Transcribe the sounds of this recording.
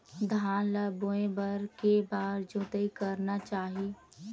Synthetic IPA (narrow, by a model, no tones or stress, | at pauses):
d̪ʱaːnləboẽbəɾkebaːɾd͡ʒʊt̪əikəɾnat͡ʃaːɦi